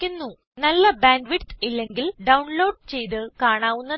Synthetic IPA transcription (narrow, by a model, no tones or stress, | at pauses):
unːu | nɐlːɐbaːɳɖʋiʈt̪ilːeŋɡilɖɐwuɳlo̞ːɖ̚t͡ɕe̞jt̪ɨkaːɳaːʋunːɐ